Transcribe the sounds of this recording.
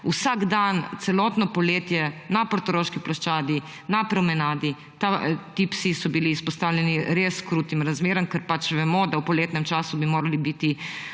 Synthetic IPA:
usaɡd̪ant̪sɛlɔt̪nɔpɔleːt̪jɛnapɔɾt̪ɔɾoːʃkiplɔʃt͡ʃaːd̪i | napɾɔmɛnaːd̪i | t̪at̪ipsisɔbiliːspɔst̪awlʲjɛniɾeskɾuːt̪imɾazmeːɾəmkɛɾpat͡ʃʋɛmɔd̪awpɔleːt̪nɛmt͡ʃaːsubimoːɾalibit̪i

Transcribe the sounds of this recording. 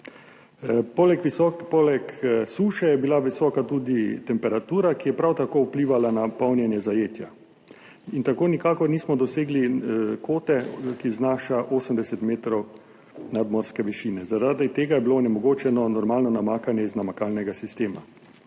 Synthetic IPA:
pːlɛkʋiɔpɔlɛksuːʃɛjɛbilaʋisɔːkat̪uːd̪it̪ɛmpɛɾat̪uːɾakijɛpɾawt̪akoːupliːʋalanapawnjɛnjɛzajeːt̪ja | int̪akoːnikaːkɔɾniːsmɔd̪ɔseːɡlikoːt̪ɛkiznaːʃaʔoːsəmd̪ɛsɛt̪meːt̪ɾɔw | nad̪mɔɾskɛʋɛʃiːnɛzaɾad̪it̪eːɡajɛbilonɛmɔɡoːt͡ʃɛnɔnɔɾmaːlnɔnamaːkanjɛiznamakaːlnɛɡasist̪eːma̰

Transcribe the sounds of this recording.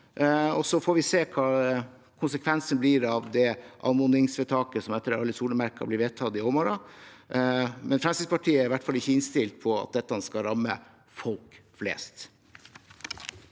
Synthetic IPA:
ɔsɔfoːɾʋɪseːkʰɑː | kʰʊnsəkʰʋɛnsənblɪɾɑʋd̪ɛʔɑ̰mʊnɪŋsʋət̪ʰɑːkəsɔmɛt̪ːəɾɑlːəsuːləmæɾkɑ̰blɪɾʋeːt̪ʰɑt̪ɪɔmɔɾɑ | mɛnfɾɑmsɪspʰɑʈʰiːəæɾɪʋæʈːfɑlːɪçːəɪnst̪ɪlt̪̚pʰɔɑ̰t̪̚d̪ɛt̪ːəhɑnskɑɾɑmːə̰ | fɔlkflḛːst̪

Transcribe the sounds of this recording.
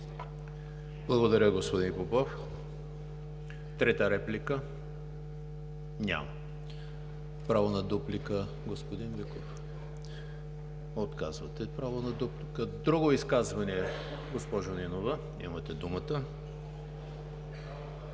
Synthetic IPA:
blˠɐɡod̪ɐɾʲəɡospod̪inpopɔf | t̪ɾɛt̪əɾɛplʲikə | nʲa̰mɐ | pɾavonɐd̪uplikə | ɡospod̪inlikof | ot̪kazvɐt̪ɛpɾavonɐd̪uplikəd̪ɾuɡoiskazvɐniɛ | ɡospɔʒoninovə | ḭmɐt̪ɛd̪umət̪ə

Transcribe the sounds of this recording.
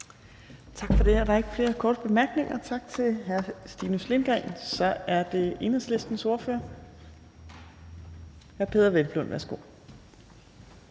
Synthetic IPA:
t͡sʰɑ̈ɡ̥fɒ̽d̥e̝æɐɾ̥ɑ̈e̝ɡ̥fle̝ːɐkʰɒːd̥əb̥e̝mæɐɡ̥ne̝ŋʔɐt͡sʰɑ̈ɡ̥̚t͡sʰe̝lɦæɐsd̥iːnusle̝nɡ̥ʁɛnsɒ̽æɐd̥e̝e̝nɐsle̝sd̥n̩so̝ɐføɐ | hæɐpʰe̝ðˠɐʋelb̥lonʋæɐsɡ̥o̝̰

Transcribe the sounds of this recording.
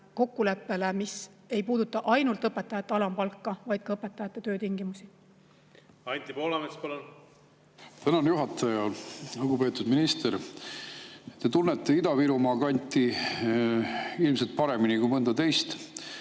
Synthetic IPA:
ko̞kːule̞pːe̞lemis | e̞jpuːd̪̥ut̪ːˑɑʔɑjnult̪ɤpːˑet̪ːˑɑjɑt̪ːeɑlɑmpɑlkːɑvɑjd̪̥̚kɑɤpːˑet̪ːˑɑjɑt̪ːˑet̪ø̞ːt̪iŋɡimusi | ɑnʲt̪ʲipo̞ːlɑmespɑlon | t̪ænɑnjuɦɑt̪ːˑɑjɑlukupe̞ːt̪ːˑud̪̥minist̪eɾ | t̪e̞t̪unːet̪ːeid̪ɑviɾumɑːkɑnʲt̪ːˑi | ilms̬elt̪̚pɑɾe̞minikujmɤnd̪ɑt̪e̞jst̪

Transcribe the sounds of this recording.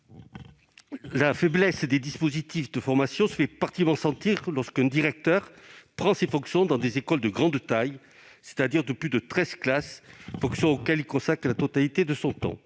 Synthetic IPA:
lafɛblɛsd̪ed̪ispozit̪ifd̪əfɔʁmasjɔ̃sə̥fɛpaʁt̪imɑ̃sɑ̃t̪iʁlɔʁskɛ̃d̪iʁɛk̚t̪œʁpχɑ̃sefɔ̃ksjɔ̃d̪ɑ̃d̪ezekɔld̪əɡʁɑ̃d̪t̪aj | se̥t̪ad̪iʁd̪əplyd̪ət̪χɛz̥klasfɔ̃ksjɔ̃okɛlilkɔ̃sakχəlat̪ɔt̪alit̪ed̪əsɔ̃t̪ɔ̰̃

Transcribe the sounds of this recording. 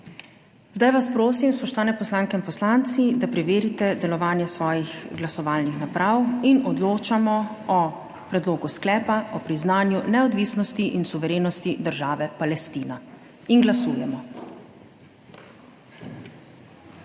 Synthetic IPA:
zd̪ajʋaspɾoːs̬imspɔʃt̪ɔʋaːnɛpɔslaŋkɛinpɔslant̪sid̪apɾɛʋeːɾit̪ɛd̪ɛlɔʋaːnjɛsʋɔːjixɡlasɔʋaːlnixnapɾawinɔd̪loːt͡ʃamɔ | ɔ | pɾɛd̪loːɡusklɛːpaɔpɾiznaːnjunɛɔd̪ʋiːsnɔst̪iʔinsuʋɛɾeːnɔst̪id̪əɾʒaːʋɛpalɛst̪iːna | inɡlasuːjɛmɔ

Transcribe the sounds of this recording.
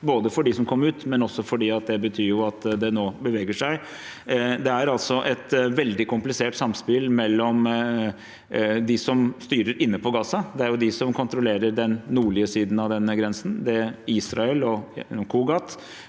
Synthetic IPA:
boːd̪əfɔɖɪsɔmkʰɔmːəɾʉːt̪mɛnɔsːɔfɔɖiːɑt̪̚d̪ɛbət̪ʰyːɾjʊɑt̪d̪ɛnoːbəʋɛːɡəʂæɪ | d̪ɛæɾɑlt̪sɔʔɛt̪ʋɛld̪ɪkʊmplɪseːʈsɑmspɪlmɛlːɔm | d̪ɪsɔmst̪yːɾəɾɪnːəpʰɔɡɑːsɑd̪ɛæɾjʊd̪ɪsɔmkʰʊnt̪ɾɔleːɾəɾɖ̪ɛnnuːɭɪəsiːd̪n̩ɑʋd̪ɛnːəɡɾɛnsənd̪ɛiːsɾɑɛlɔkʰuːɡɑt̪

